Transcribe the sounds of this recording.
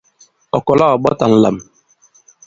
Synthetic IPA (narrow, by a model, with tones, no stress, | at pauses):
ɔ˨kɔ˨la˦ɔ˨ɓɔ˦ta˨n̩˦la̰˨m